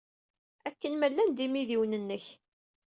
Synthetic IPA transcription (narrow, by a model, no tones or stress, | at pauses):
ækːənmælːænd̪imiðiwnənːəç